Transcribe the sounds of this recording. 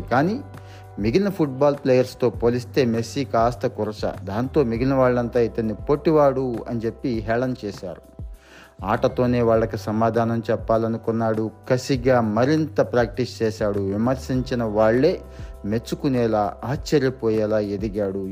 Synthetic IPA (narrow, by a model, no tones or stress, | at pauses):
kaːniː | miɡilnɐpʰuʈ̚baːlpleːjɐɾst̪o̞ːpoːlist̪e̞ːmesikaːst̪ɐkuɾɐsɐ̰d̪aːnt̪o̞ːmiɡinɐʋaːɭːɐnt̪aːit̪ɐnːipoʈːiʋaːɽuɐ̰nit͡ʃe̞pːiɦɛːɭɐnt͡ʃɛːʃa̰ːɾu | aːʈɐt̪o̞ːne̞ːʋaːɭːɐkusɐmaːd̪ʱaːnɐmt͡ʃɛpːaːlɐnukunːaːɽukɐsiɡaːmɐɾint̪ɐpɾaːk̚ʈist͡ʃɛːʃaːɽuʋimɐɾsiɲt͡ʃinɐʋaːɭːeː | me̞t͡ʃːukunɛːlaːaːt͡ʃːɐɾjɐpɔːjɛːlaːed̪iɡaːɽu